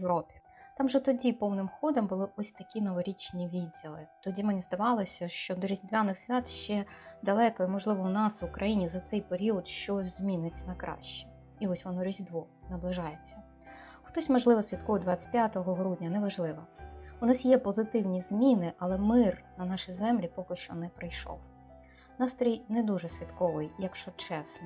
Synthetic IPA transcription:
jeʋɾɔpʲi̥ | t̪ɑmʒɛt̪ɔdʲipɔwnɪmxɔd̪ɔmbʊlˠɪʔɔsʲt̪ɐkʲinɐʋɔɾʲit͡ʃnʲiʋʲidʲilˠɪt̪ɔdʲimenʲizd̪ɐʋɑlˠɔsʲɐʃt͡ʃɔd̪ɔɾʲizʲd̪ʲʋʲanɪxsʲʋʲat̪ʃt͡ʃɛd̪ɐlˠɛkɔimɔʒlˠɪʋɔʊnɑsʋʊkɾʔɐjinʲizɐt̪sɛjpeɾʲiɔd̪ʃt͡ʃɔzʲmʲinɪt͡sʲːɐnɐkɾɑ̰ʃt͡ʃi̥ | iɔsʲʋɔnɔɾʲizʲd̪ʋɔ | nɐblˠɪʒɑjet͡sʲːɐ | xt̪ɔsʲmɐʒlˠɪʋɔsʲʋʲit̪̚kɔʋjɪd̪ʋɑt͡sʲɪ̥tʲpʲjat̪ɔɦɔɦɾudʲnʲɐnɛʋɐʒlˠɪʋɐʊnɑsjɛpɔzɪt̪ɪwnʲizʲmʲinɪʔɐlˠɛmɪrnɐnɑʃizɛmlʲipɔkɪʃt͡ʃɔ̰nɛpɾɪjʃɔ̰w | ʊnɑst̪ɾʲijnɛd̪uʒɛsʲʋʲit̪kɔʋɪjjɐkʃt͡ʃɔt͡ʃɛsnɔ

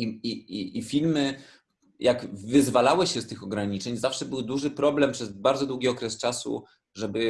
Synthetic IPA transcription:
iiiːfʲilmɘ | jʔakvɘzvalawɘɕɛst̪ɘxɔɡɾaɲit͡ʂɛɲzafʂɛbɘwd̪uʐɘpɾɔblɛmpʂɛzbaɾd̪zɔd̪wuɡʲiɔkɾɛst͡ʂasṵ | ʐɛbɘ

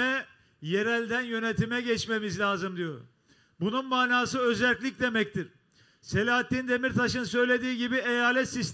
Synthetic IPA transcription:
ɛ | je̞ɾælʲd̪ænjø̞net̪ʰimɛɟɛt͡ʃme̞mizlʲaːzɯmd̪ijo̞ɾ̰ | bununmaːnaːsɯø̞zælʲcʲlʲicd̪e̞mɛct̪ʰiɾ̥ | se̞lʲaːɦat̪ʰːʲind̪e̞miɾt̪ʰaʃɯnsø̞jlʲed̪iːɟibiejaːlʲɛt̪sist̪

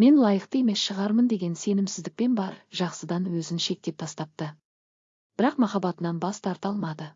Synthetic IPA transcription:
me̞nlˠɑjəqt̪əjeme̞sʃəʁɑɾmənd̪e̞ɡʲe̞nse̞nɪmsɪzd̪ɪk̚pe̞nbɑɾʒ̥ɑqsəd̪ɑnwɵzɪnʃe̞k̚t̪e̞p̚t̪ʰɑst̪ɑp̚t̪ə | b̥ɪɾɑqmɑχɑbɑt̪ənɑnbɑst̪ʰɑɾt̪ɑlˠmɑd̪ə

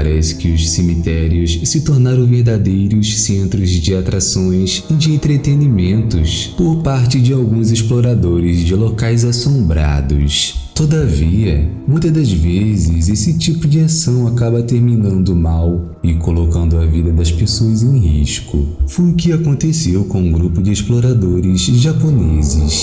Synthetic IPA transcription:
aɾɛsɪ̥kɪʊssemit̪ɛɾiʊssɪt̪oɾnaɾɐ̃w̃veɾd̪ad̪ejɾʊssẽnt̪ɾʊzd͡ʒɪat̪ɾasõj̃s | id͡ʒɪẽnt̪ɾet̪enimẽnt̪ʊs | poɾpaɾt͡ʃɪd͡ʒɪawɡũzɪsploɾad̪oɾɪzd͡ʒɪlokajzasõmbɾa̰d̪ʊ̰st̪od̪aviɐmũj̃t̪ɐd̪ɐzvezɪzesɪt͡ʃipʊd͡ʒɪasɐ̃w̃akabɐt̪eɾminɐ̃nd̪ʊmaw | ɪkolokɐ̃nd̪ʊɐvid̪ɐd̪ɐspesoɐzẽj̃ɦiʃkʊ̰fojʊkɪakõnt̪esewkõũɡɾupʊd͡ʒɪesploɾad̪oɾɪzʒaponezɪs

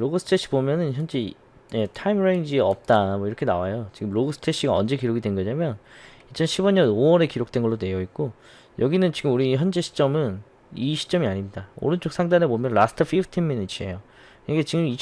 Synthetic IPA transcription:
ɾoɡɯsʰɯ̥tʰeɕ͈ʰi̥bomjʌnɯnçjʌnd͡ʑe̞ | je̞tʰaimɾeɲd͡ʑiʌp̚t͈amʌiɾʌkʰe̞nawajot͡ɕiɡɯmɾoɡɯs͈ʰɯ̥tʰeɕ͈ʰiɡaʌnd͡ʑe̞kiɾoɡidwenɡʌɲamjʌnit͡ɕʰʌnɕʰibʌɲʌnowʌɾe̞kiɾok̚t͈wenɡʌɭːone̞jʌik̚k͈o | jʌɡinɯnt͡ɕiɡɯmuɾiçjʌnd͡ʑe̞ɕʰi̥t͡ɕ͈ʌmɯn | iɕʰi̥t͡ɕ͈ʌmiaɲimɲidao̰ɾɯnt͡ɕ͈ok̚s͈ʰaŋdanebomjʌnɭasɯ̥tʰɯpʰipʰtʰinminit͡ɕʰie̞̰jo | kɯɡet͡ɕiɡɯmit͡ɕ

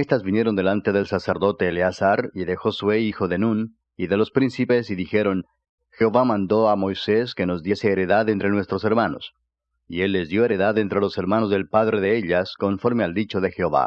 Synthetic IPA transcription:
est̪azbinje̞ɾo̞nd̪e̞lant̪e̞ðe̞lsaseɾðo̞t̪e̞ːleasaɾiðe̞xo̞swe̞ixo̞ðenun | iðe̞lo̞spɾinsipe̞siðixe̞ɾo̞n | xeoβamãnd̪o̞amojse̞ske̞no̞zd̪je̞seːɾe̞ðaðent̪ɾe̞nwe̞st̪ɾo̞se̞ɾmano̞̰s | ie̞lːe̞zðjo̞e̞ɾe̞ðaðent̪ɾe̞lo̞se̞ɾmano̞zðe̞lpaðɾe̞ðeeʎasko̞ɱfo̞ɾme̞ald̪it͡ʃo̞ðe̞xeoβa̰

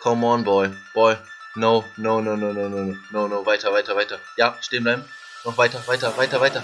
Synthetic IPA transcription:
kʰɔmɔːɡn̩bɔʏb̥ɔɪ | noːnoːnoːnoːnoːnoːnoːnoːnoːvaɪtɐvaɪtɐvaɪtɐjaːʃteːn̩blaɪbm̩ | nɔχv̥aɪtɐvaɪtɐvaɪtɐvaɪtɐ

